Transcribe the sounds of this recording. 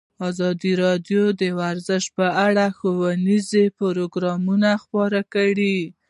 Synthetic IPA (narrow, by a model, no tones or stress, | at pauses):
ɑzɑd̪iɾɑd̪jod̪əwaɾzəʃ̚pəaɽaxowalizepʊɾoɡɾɑmunaxpɑɾakaɽi